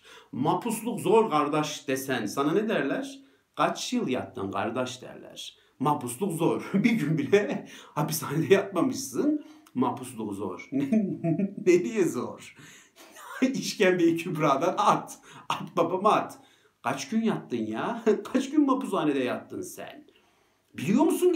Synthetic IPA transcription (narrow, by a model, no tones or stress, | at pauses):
mapʰuslˠukzoɾkʰaɾd̪aʃd̪̥esænsananed̪æɾlʲæɾ̥ | kʰat͡ʃjɯlˠjat̪ːɯ̰nkʰa̰ɾd̪aʃd̪æ̰ɾlʲæ̰ɾ̥ | mapuslˠukzoɾ̥biɾɟynbilɛhapisaːned̪ɛjat̪̚mamɯʃsɯnmapʰuslˠukzo̰ɾn | ned̪ijɛzoɾ̥ | iʃcænb̪ejicʰybɾaːd̪anat̪at̪babamat̪ | kʰat͡ʃɟ̥ynjat̪ːɯnjaːkʰat͡ʃɟynmapusaːned̪ɛjat̪ːɯnsæ̰n | bilʲijomusun